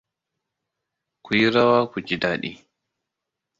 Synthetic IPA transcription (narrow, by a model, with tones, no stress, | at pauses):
ku˨ji˦ɾa˦waː˦kʷu˨d͡ʒi˦daː˦˨ɗḭ˦˨